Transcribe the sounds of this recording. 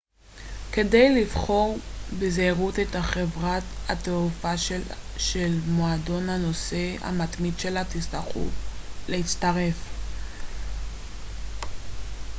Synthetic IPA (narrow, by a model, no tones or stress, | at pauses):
ke̞dejlivχo̞ʁbezeiʁut̪et̪haχevʁathat̪eufaʃʃelmoado̞nhano̞se̞a̰mat̪mid̪ʃe̞latistaχṵlehit͡st̪aʁe̞f